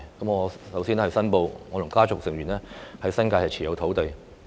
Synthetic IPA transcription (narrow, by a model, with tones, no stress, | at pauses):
kɐ˨˥mŋɔː˨˧sɐ˨˥wsiː˥n˥hɐ˨˧jsɐ˥npo˧wŋɔː˨˧lʊ˨˩ŋkaː˥t͡sʊ˨k̚sɪ˨ŋɥy˨˩nɛː˥hɐ˨˥jsɐ˥nkaː˧jhɐ˨jt͡sʰiː˨˩jɐ˨˧wt̪ʰo˨˥wt̪e˨j